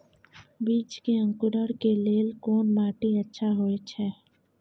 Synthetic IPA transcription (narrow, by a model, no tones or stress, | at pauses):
biːt͡ʃkeə̃ŋkʊɾəɽkeleːlkoːnmaːʈiətːʃʰaɦoet͡ʃʰɛː